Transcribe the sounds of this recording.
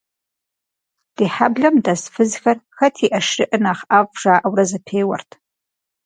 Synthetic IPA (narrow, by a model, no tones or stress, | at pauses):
d̥iħabɮɐmdasfɨzxɐrxɐtʰiʔɐʂrɨʔɨnaːχʔavʷʐ̥aːʔawrɐzɐpʰejwɐ̰rtʰ